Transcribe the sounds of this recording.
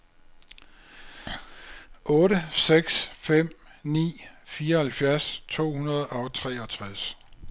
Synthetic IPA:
ʔɔ̽ːɾəseɡ̥sfem̰ | nḭːfiːɐɒhælfjæɐst͡sʰo̝̰ːhunɐð̞ˠɒ̽t͡sʰʁɛːɒ̽t͡sʰʁas

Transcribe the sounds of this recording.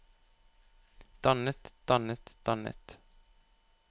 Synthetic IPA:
d̪̥anːət̪d̪̥anːət̪d̪̥anːə̰t̪

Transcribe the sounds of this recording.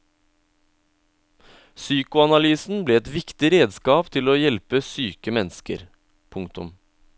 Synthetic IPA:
syːkʊɑnɑlyːsn̩bleːɛt̪ʋɪkt̪ɪɾeːd̪skɑːpt̪ʰɪloːjɛlpəsyːkəmɛnskə̰ɾ | pʰʊŋkt̪ʊ̰m

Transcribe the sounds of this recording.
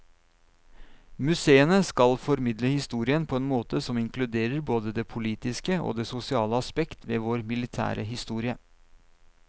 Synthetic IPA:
mʉseːənəskɑlfɔɾmɪd̪ləhɪst̪uːɾɪənpʰɔɛːnmoːt̪əsɔmɪŋkʰlʉd̪eːɾəɾboːd̪əd̪eːpʰʊliːt̪ɪskəo̰ːd̪eːsʊsɪɑːləɑspɛkt̪ʰʋeːʋoːɾmɪlɪt̪ʰæ̰ːɾʔə̰ɦɪst̪uːɾɪə

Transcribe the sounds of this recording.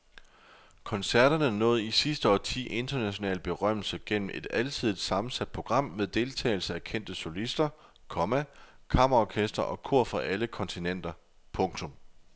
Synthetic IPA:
kʰɒ̽nsæɐɾ̥ɐnənɔ̽ːð̩ˠisisd̥əɒ̰ːt͡sʰḭːʔe̝nd̥ɐnæɕo̝nɛ̰ːlb̥e̝ʁɶm̰l̩səɡ̥en̰m̩ʔe̝d̥ælt͡sʰið̞̰ˠd̥sɑ̈mn̩sæd̥̚pʰo̝ɡ̥ʁɑ̈m̰meðˠd̥e̝lt͡sʰɛ̰ːɪl̩səækʰen̰d̥əso̝lisd̥ɐ | kʰɒ̽mækʰɑ̈m̰ɐʁɑɒkʰesd̥ʁɐʔɒ̽kʰuɐ̰fɒʔæləkʰɒ̽nt͡sʰinen̰d̥ɐ | pʰɔ̽ŋt͡sʰɔ̽m

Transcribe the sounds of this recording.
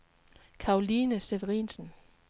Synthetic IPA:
kʰɑ̈oliːnəseʋəʁḭːnsn̩

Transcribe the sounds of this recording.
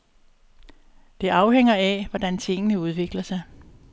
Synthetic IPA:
d̥e̝ʔɑ̈ʊheŋ̰ɐæʋɒd̥ænt͡sʰe̝ŋ̰ənəuð̞ˠʋe̝ɡ̥lɐsɑ̈ɪ

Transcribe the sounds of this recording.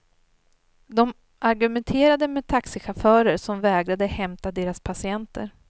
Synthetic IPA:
d̪ɔm | ʔaɾɡɵmɛnt̪ʰeːɾad̪əmeːt̪ʰaksɪɧafœːɾəɾʂɔmvɛːɡɾad̪əhɛmt̪ad̪eːɾaspʰasɪɛnt̪ʰə̰ɾ

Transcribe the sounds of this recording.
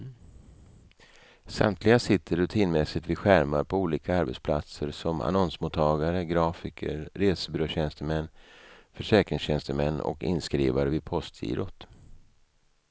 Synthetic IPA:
sa̰mt̪ʰlɪɡasɪt̪ʰːəɾɵt̪ʰiːnmɛsɪt̪vɪɧæɾmaɾpʰɔuːliːkaaɾbɛ̰t̪spʰla̰t̪səɾsɔma̰nɔnsmʊt̪ʰːɑːɡaɾəɡɾɑːfɪkʰə̰ɾɾeːsəbʏɾoɕɛnst̪əmɛnːfœʂɛːkɾɪŋsɕɛnst̪əmɛnːɔ̰kɪ̰nskɾiːvaɾəvɪpʰɔst̪ʰḭːɾɔt̪

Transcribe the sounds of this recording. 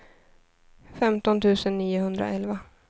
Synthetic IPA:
fɛmt̪ɔnt̪ʰʉ̟ːsənːiːʊhɵnd̪ɾa̰ʔɛlva

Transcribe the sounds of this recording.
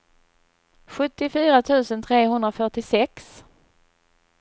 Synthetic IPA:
ɧɵt̪ːɪfyːɾat̪ʰʉ̟ːsənt̪ʰɾeːɦɵnd̪ɾafœʈɪsɛks

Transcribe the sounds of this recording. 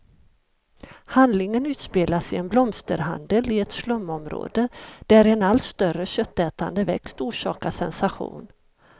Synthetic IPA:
hand̪lɪŋənʉ̟ːt̪speːlasɪɛnblɔmst̪əɾɦa̰nd̪əlɪɛt̪slœmːɔmɾo̰ːd̪əd̪̥æɾɛnalt̪st̪œɾəɕœt̪ːɛːt̪a̰nd̪əvɛ̰kst̪uːʂɑːkasɛnsaɧṵːn

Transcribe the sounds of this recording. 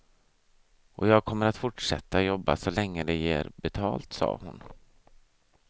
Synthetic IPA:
ʔɔjɑːɡ̚kʰɔmːəɾat̪fʊʈʂɛt̪ːajɔbːa̰sɔlɛŋːəd̪ɛjeːɾbɛt̪ʰɑːlt̪sɑ̰ːhʊn

